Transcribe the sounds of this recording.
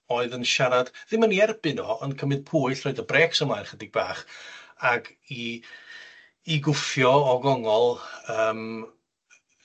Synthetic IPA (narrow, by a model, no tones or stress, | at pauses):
oːɨðənʃaɾad̥ðɪmaniɛrbɨnɔənkʰəmɨd̥̚pʰuːɨɬrɔɨðəbrɛːksəmajnχədɪɡ̚baːχaɡ | i | ɡʊfjɔɔɡɔŋɔlˠəːm